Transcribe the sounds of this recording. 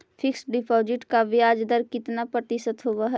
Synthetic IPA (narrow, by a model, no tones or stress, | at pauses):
fʰɪksɖɪpʰɔːd͡ʒɪʈkaʋɪjaːd͡ʒd̪əɾkɪt̪napɾɐt̪ɪʃət̪ɦoːʋaɦɛ